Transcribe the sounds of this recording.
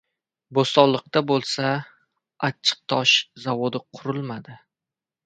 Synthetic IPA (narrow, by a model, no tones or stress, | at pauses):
bost̪ɒlːˠɨq̚t̪abolˠsa | at͡ʃʰːɨ̥q̚t̪ʰɒʃzavod̪ɪqʰʊɾɪlˠmad̪ɪ